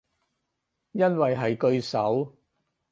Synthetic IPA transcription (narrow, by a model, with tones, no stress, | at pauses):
jɐ˥nwɐ˨jɦɐ˨jkɵ˧ɥsɐ˨˥w